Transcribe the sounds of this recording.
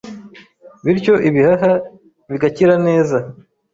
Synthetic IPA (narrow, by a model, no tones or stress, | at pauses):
βiɾco̞ʔiβihaɦa | βiɡaciɾane̞ːza